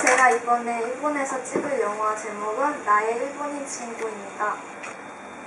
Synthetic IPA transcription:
sʰeɡaibʌne̞iɭbone̞sʰʌt͡ɕ͈ibɯɭjʌŋʌɦad͡ʑemoɡɯnːae̞iɭboɲit͡ɕʰiŋɡoimɲida

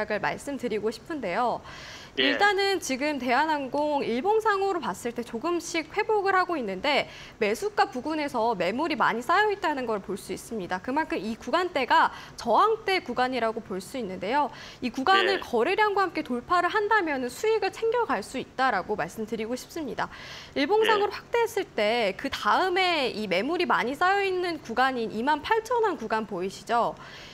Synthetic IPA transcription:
aɡɯɭma̰ɭs͈ɯmtɯɾiɡoɕʰi̥pʰɯnde̞jo | iɭt͈anɯnt͡ɕiɡɯmte̞ɦanɦaŋɡoŋiɭboŋsʰaŋoɾopas͈ɯɭt͈e̞t͡ɕoɡɯmɕʰik̚ɸwe̞boɡɯɭhaɡoinːɯnde̞ | me̞sʰuk͈apuɡune̞sʰʌme̞muɾima̰ɲis͈ajʌet̚t͈anɯnɡʌɾɯɭpoɭs͈uis͈ɯmɲidakɯmankʰɯmikuɡant͈e̞ɡa | t͡ɕʌɦaŋt͈e̞kuɡaɲiɾaɡopoɭs͈uinːɯnde̞jo | ikuɡanɯɭkʌɾeɾjaŋɡwahamk͈e̞toɭpʰaɾɯɭɦandamjʌnɯnsʰuiɡɯɭt͡ɕʰe̞ŋɡjʌɡaɭs͈uit̚t͈aɾaɡomaɭs͈ɯmtɯɾiɡoɕʰi̥p̚s͈ɯmɲidaiɭboŋsʰaŋɯɾoɸwak̚t͈e̞ɦes͈ɯɭt͈e̞kɯtaɯme̞ime̞muɾimaɲis͈ajʌinːɯnkuɡaɲinimanpʰaɭt͡ɕʰʌnɦankuɡanpoiɕʰid͡ʑo

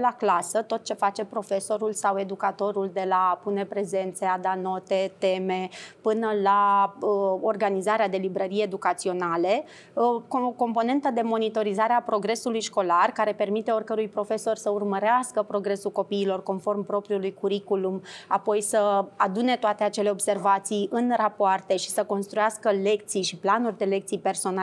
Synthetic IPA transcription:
laklasət̪o̞t̪̚t͡ʃe̞fat͡ʃe̞pɾo̞fe̞so̞ɾulsawe̞d̪ukat̪o̞ɾuld̪e̞lapune̞pɾe̞ze̞nt̪se̞ad̪ano̞t̪e̞t̪e̞me̞pɨnəlaəo̞rɡanizaɾead̪e̞libɾəɾijeed̪ukat̪sio̞nale̞ | kko̞mpo̞ne̞nt̪əd̪e̞mo̞nit̪o̞ɾizaɾeapɾo̞ɡɾe̞sulujʃko̞larkaɾe̞pe̞rmit̪e̞o̞rkəɾujpɾo̞fe̞so̞rʲsəurməɾeaskəpɾo̞ɡɾe̞sulko̞piːlo̞rko̞nfo̞rmpɾo̞pɾiulujkuɾikulumapo̞jsəad̪une̞t̪oat̪eat͡ʃe̞le̞o̞bse̞rvat̪sijɨnrapoart̪e̞ʃi̥səko̞nst̪ɾujaskəle̞k̚t̪sijʃiplanurʲd̪e̞le̞k̚t̪sijpe̞rso̞na

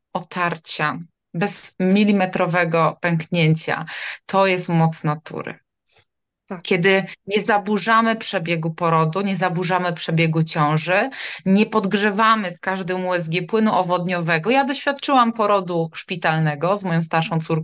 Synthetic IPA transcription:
ɔt̪ʰaɾt͡ɕa | bɛzmʲilʲimɛt̪ɾɔvɛɡɔpɛŋkɲeɲt͡ɕa̰t̪ʰɔjɛst̪mɔt̪snat̪ṵɾɘ̰ | kʲɛd̪ɘɲɛzabuʐamɘpʂɛbʲjɛɡupɔɾɔd̪uɲɛzabuʐamɘpʂɛbʲjɛɡut͡ɕɔ̃w̃ʐɘɲɛpɔd̪ɡʐɛvamɘskaʐd̪ɛmuɛzɡʲjɛpwɘnuʔɔvɔd̪ɲɔvɛɡɔjad̪ɔɕfʲjat̪̚t͡ʂɘwampɔɾɔd̪uʂpʲit̪alnɛɡɔzmɔjɔ̃w̃st̪aɾʂɔ̃w̃t̪suɾ

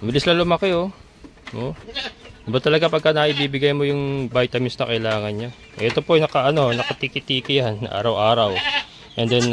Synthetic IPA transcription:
mɪlɪslɐlʊmɐkɪo | ʔo | bɐt̪ːɐlɐɡapɐɡ̚kɐnɐʔɪbiːbɪɡajmo̞jʊŋbajt̪ɐmɪsnɐkɐʔɪlaːŋɐnɲa | ʔɛt̪o̞poɐjnɐkɐʔɐno̞nɐkɐt̪ikɪt̪iːkɪjanɐ̰ʔa̰ːɾɐwʔaːɾɐw | ʔɛnd̪ɛn

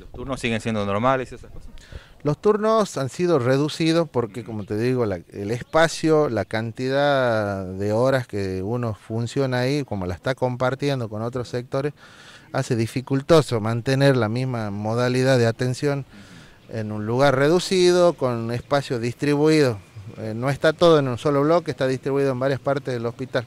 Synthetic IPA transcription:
lost̪uɾnosːiɣensjend̪onoɾmalesiesakosalost̪uɾnosansiðo̞reðusiðospo̞ɾkekomot̪eðiɣo̞laelespasjolakant̪iðaðeoɾaskeuno̞funsjo̞naaiko̞molase̥st̪ako̞mpaɾt̪je̞nd̪o̞ko̞no̞t̪ɾosek̚t̪o̞ɾes | a̰se̞ðifikult̪o̞somãnt̪eneɾlamizmamoðaliðaðeat̪ensjo̞n | ḛnũnluɣarreðusiðokonespasjoðist̪ɾiβuiðoenoest̪at̪o̞ð̞oenunsoloβlo̞kest̪aðist̪ɾiβuiðoembaɾjaspaɾt̪ezðelo̞spit̪al

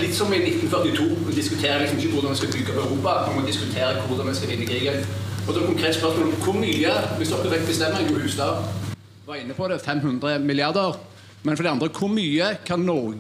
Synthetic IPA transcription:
lɪt̪ːsɔmɪnɪt̪ːn̩fœʁt̪ɪt̪ʰuːmɛd̪ɪskʉt̪ʰeːɾəlɪksɔmɪçːəkʰʊʁd̪ɑnʋɛnskɑbʏɡːəpœʉɾuːpɑmɛmɔd̪ɪskʉt̪ʰeːɾəkʰʊʁd̪ɑnmɛskɑʋɪnːəɪkʰɾiːɡənɔsɔɛkʰʊŋkʰʁeːt̪əspœʁʂsmoːlɔmkʰʊʁmyːəʋɪsd̪ɔkːəʋɛkt̪bəst̪ɛmːəɾɛnɡuːhʉːst̪ɑː | ʋɑːʁɪnːəpʰɔd̪ɛfɛmɦʉnd̪ʁəmɪlɪɑʁd̪əʁ | mɛnfɔd̪ɛɑnd̪ʁəkʰʊʁmyːəkʰɑnːɔ

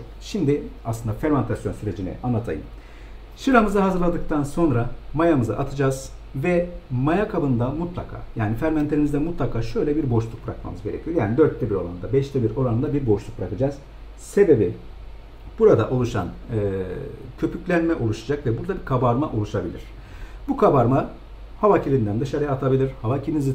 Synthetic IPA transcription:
ʃimd̪iaslˠɯnd̪afɛɾmant̪ʰasjo̞nsyɾe̞d͡ʒinɛ̰ʔanˠat̪ʰa̰jɯ̰m | ʃɯɾamɯzaɦazɯɾlˠad̪ɯk̚t̪ʰanso̞nɾamajamɯza̰ʔat̪ʰɯd͡ʒaːz̥vɛmajakʰabɯnd̪amut̪lˠakʰa̰ːjaːnifæɾmant̪ʰe̞ɾimizd̪ɛmut̪lˠakʰaːʃø̞jlʲɛbiɾbo̞ʃlˠuk̚bɾa̰kma̰mɯzɡɟe̞ɾḛcʰijo̞jaːnid̪øɾt̪lːʲɛbiɾo̞̰ɾa̰nnd̪abɛʃt̪ʰʲɛbiɾo̞ɾanɯnd̪abiɾbo̞ʃlˠuk̚bɾakɯd͡ʒaːz̥ | se̞be̞bi | b̥uɾad̪aʔo̞lˠuʃa̰nɯ | cʰø̞pʰyclʲænmɛʔo̞lˠuʃad͡ʒakvɛbuɾd̪abiɾkʰabaɾmaʔo̞lˠuʃabilʲḭɾ̥ | bukʰabaɾma | havacʰilʲind̪ænd̪ɯʃaɾɯjaːt̪ʰabilʲiɾ̥havacʰilinizi

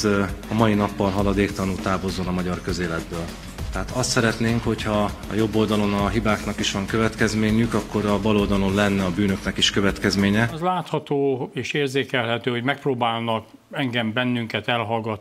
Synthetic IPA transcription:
ɒmɒjinɒpːɒlɦɒlɒd̪eːkt̪ɒnuːt̪aːbozonɒmɒɟɒrkø̞zeːlɛd̪̚bøːl | t̪ɛɦaːt̪ɒst̪sɛɾɛt̪neːŋkho̞chɒːjo̞bːo̞ld̪ɒlo̞nɒɦibaːknɒkiʃʋɒŋkøvɛt̪kɛzmeːɲykɒkːo̞ɾɒvɒloːd̪ɒlo̞nlɛnːɛɒbyːnø̞knɛkiʃkø̞vɛt̪kɛzmeːɲɛzlaːt̪hɒt̪oːeːʃeːrzeːkɛlɦɛt̪øːho̞ɟmɛk̚proːbaːlnɒk | ɛŋɡɛmbɛnːyŋkɛt̪ɛlɦɒlɡɒt̪

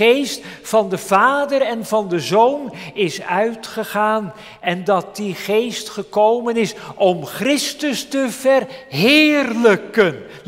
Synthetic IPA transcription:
ejstfɑndəvaːdəɾɛnvɑndəzownɪsœɥtχəχaːn | ɛndɑt̚diχejstχəkowmənɪsʔɔmχrɪstəstəvɛrɦɪːrləkən

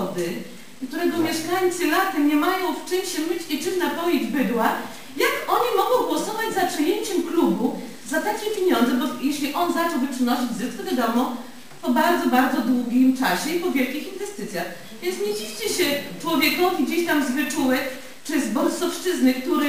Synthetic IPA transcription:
d̪ɘ | kt̪uɾɛɡɔmʲjɛʂkajt̪sɨlat̪ɛɲɛmajɔ̃w̃ft͡ʂɘmɕɛmɘt͡ɕit͡ʂɘmnapɔjed͡ʑbɘd̪wa | jakɔɲimɔɡɔ̃w̃ɡwɔsɔvad͡ʑzapʂɨjeɲt͡ɕɛmklubu | zat̪akʲɛpʲjeɲɔnd̪zɛbɔjeɕlʲiʔɔnzat͡ʂɛwvɘpʂɨnɔɕid͡ʑzɘskɔvʲjad̪ɔmɔ̃ | pɔbaɾd̪zɔbaɾd̪zɔd̪wuɡʲimt͡ʂaɕɛipɔvʲjɛlkʲixinvɛst̪ɘt̪sʲjax | vʲjɛnt̪sɲed͡ʑivt͡ɕɛɕɛt͡ʂwɔvʲjɛkɔvʲiɡd͡ʑeɕt̪amzvɘt͡ʂuwɛk | t͡ʂɛzbɔlsɔfʂt͡ʂɘznɘkt̪uɾɛ

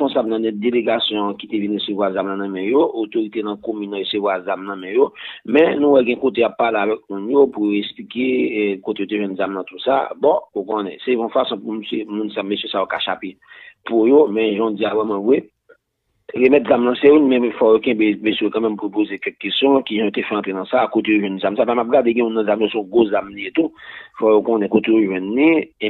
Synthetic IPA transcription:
pɔ̃sabnɐ̃nɛt̚d̪eleɡasjɔ̃kit̪evinɣesevwazamlãnɐ̃mɛ̃joot̪oɣit̪enɐ̃komynːãɣesevwazamnɐ̃mɛ̃jomɛ̃nũwɛɡɛ̃kot̪̬ejapːaleavɛk̚mũnjopujoɛsplikekot̪ejot̪eʒwɛ̃nzamnɐ̃t̪usa̰bɔ̃ukõnɛ̃sebɔ̃fasɔ̃pumsemũnsamesjøsajoka̰ʃape | pujomɛ̃ʒɔ̃d͡zijavɛmãvwe | ɣemɛt̪̚zamlãsejunmɛ̃fɔjokɛ̃bebesijokãmɛ̃mpujop̬ozekɛkːesjɔ̃kiʒãjot̪efɛɑ̃t̪enɐ̃sakot̪ejoʒwɛ̃nzamsapamap̚ɡadeɡɛ̃mũnːãzamjosɔ̃ɡozamliet̪ufɔjokɔ̃nɛ̃kot̪ejoʒwɛ̃nːie

